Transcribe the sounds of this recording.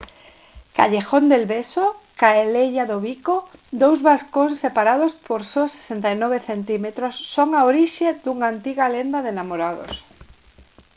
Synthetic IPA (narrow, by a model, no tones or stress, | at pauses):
ka̰ʎexond̪elβesokaeleʎaðoβikod̪owzβaskonsepaɾaðospoɾsose̥sent̪ajnɔβ̞eθent̪imet̪ɾosːoŋaoɾiʃed̪uŋant̪iɣalend̪aðenamoɾaðo̰s